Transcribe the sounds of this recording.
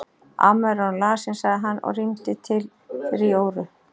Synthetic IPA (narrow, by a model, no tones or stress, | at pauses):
a̰mɛɾɔnlaːsɪnsaɣðɪɦanːɔ̰ɣrimt̪ɪt̪ʰɪl | fɪɾioːwɾʏ